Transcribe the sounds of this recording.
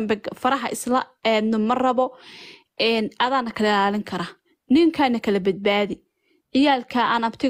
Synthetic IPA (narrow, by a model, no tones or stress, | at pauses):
mbɛfɐɾɐɦɐʔɪslɐɛnʊmɐrɐβɔ | ɛːnʔɐðaːnːɐkʰɐlɛlaːlɪŋkʰɐɾaː | nɪŋkʰaːnːɐkʰɐlɐbɐd̪̚baːðɪ | ʕɪjaːlkʰaːʔaːnɐbt̪ʰɪ